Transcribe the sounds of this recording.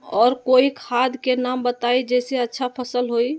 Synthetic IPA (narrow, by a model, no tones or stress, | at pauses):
ɔːɾkoikʰad̪ʱkenambət̪aid͡ʒɛseətːʃʰapʰəsəlɦoi